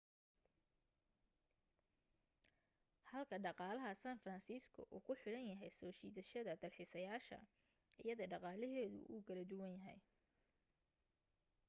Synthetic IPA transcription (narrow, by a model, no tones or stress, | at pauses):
hɐlkʰɐɖɑqɑːlɐɦɐsaːnfrɐnsiːskʰʊ̰ʔuːkʰʊħɪɽɐnjɐɦɛjsɔːt͡ʃiːðɐʃɐðɐd̪ɐlħɪsɐjaːʃɐ̰ | ɪ̰jɐðɐɖɑqɑːlɛɦɛːðʊ̰ʔṵːkʰɐlɐd̪ʊwɐnjɐɦɛ̰j